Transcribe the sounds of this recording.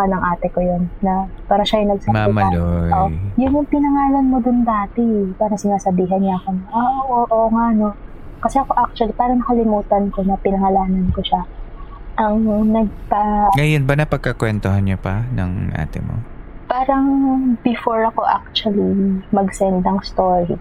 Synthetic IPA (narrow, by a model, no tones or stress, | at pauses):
kanɐŋʔaːt̪ɛko̞jo̞nːɐpaːɾɐʃajŋnɐɡsɐmamɐloojʊnjʊŋpɪnɐŋaːlɐnmo̞d̪ʊnd̪aːt̪ɛpaːɾɐŋsɪnaːsɐbiːɦɐnɲaɐkonʔaʔʔoʔoŋaʔno̞ | kɐsɛɐko̞ʔak̚t͡ʃwɐlipaːɾɐŋnɐkɐlɪmuːt̪ɐnko̞nɐpɪnɐŋɐlaːnɐnko̞ʃa | ʔɐŋnɐɡ̚paŋɐjonbanɐpɐɡ̚kɐkwɛnt̪oɦanɲopɐnɐ̰ŋʔa̰ːt̪ɪ̰mo̰paːɾɐŋbɪfo̞ɹɐko̞ʔa̰k̚t͡ʃʊɐlimɐɡsɛnd̪ɐŋst̪oːɹi